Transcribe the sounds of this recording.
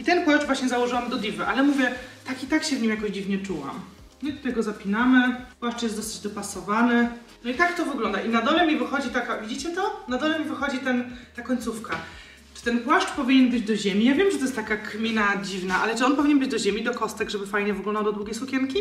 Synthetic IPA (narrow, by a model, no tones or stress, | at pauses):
it̪ɛnpwaʂt͡ʂvwaɕɲɛzawɔʐɨwamd̪ɔd̪ʲivɘʔalɛmuvʲjɛt̪akit̪akɕɛvɲimjakɔʑd͡ʑivɲɛt͡ʂuwa̰m | ɲɨt̪u̥t̪ajɡɔzapʲinamɘpwaʂt͡ʂjɛsd̪ɔsɘ̥d͡ʑd̪ɔpasɔvanɘ | nɔit̪akt̪ɔvɘɡlɔnd̪aʔinad̪ɔlɛmʲivɘxɔd͡ʑit̪akavʲid͡ʑit͡ɕɛt̪ɔnad̪ɔlɛmʲivɘxɔd͡ʑit̪ɛnt̪akɔɲʲt̪sufka | t͡ʂɨ̥t̪ɛnpwaʂt͡ʂpɔvʲiɲɛnbɘd͡ʑd̪ɔʑemʲijavʲjɛmʐɛt̪ɔjɛst̪akakmʲinad͡ʑivnaʔalɛt͡ʂɨɔnpɔvʲiɲɛnbɘd͡ʑd̪ɔʑemʲid̪ɔkɔst̪ɛɡʐɛbɘfajɲɛvɘɡlɔnd̪awd̪ɔd̪wuɡʲejsukʲɛnkʲi